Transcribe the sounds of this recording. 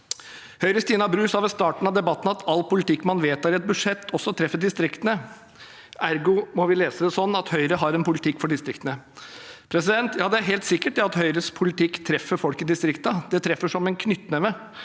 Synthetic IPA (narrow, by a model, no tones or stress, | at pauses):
hœʏɾəst̪iːnɑbɾʉːsɑʋɛst̪ɑːʈn̩ɑd̪ɛbɑt̪ːn̩ɑt̪ʰɑlːpʰʊlɪt̪ɪkːmɑnʋeːt̪ɑɾɛt̪̚bʉʂɛt̪ːɔsːɔt̪ʰɾɛfːəd̪ɪst̪ɾɪkt̪ənə | æɾɡʊmɔʋɪleːsəd̪ɛsɔnːɑt̪hœʏɾəɦɑɾɛnpʰʊlɪt̪ʰɪkːfɔɖɪst̪ɾɪkt̪ənə | pʰɾɛs̬ɪd̪ɛnt̪jɑːd̪ɛæɾɦɛːlt̪sɪkːəʈ̚d̪ɛɑt̪hœʏɾəspʰʊlɪt̪ɪkːt̪ʰɾɛfːəɾfɔlkɪd̪ɪst̪ɾɪkt̪ɑd̪ɛt̪ʰɾɛfːəʂɔmɛnkʰnʏt̪ːnɛʋə